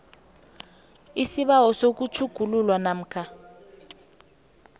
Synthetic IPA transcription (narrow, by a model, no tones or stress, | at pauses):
isiɓawɔsok̬ut͡ʃʰuɡ̥ʱululwanam̩ːkʰa